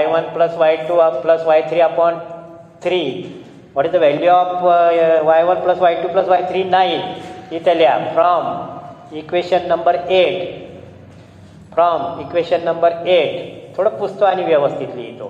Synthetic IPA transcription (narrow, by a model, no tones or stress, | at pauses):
ajʋənpləsʋajʈuːpləsʋajt̪ʰɾiːapəɳ | t̪ʰɾi | ʋəɽit̪əʋɛljuɔp | ʋajʋənpləsʋajʈuːpləsʋajt̪ʰɾiːnaɦiit̪eljafɾɔm | ikʋeɕənːəmbəɾeʈ | fɾɔmikʋeɕənːəmbəɾeʈt̪ʰːoɽəpust̪əañiʋjəʋəst̪ʰit̪lḭt̪o̰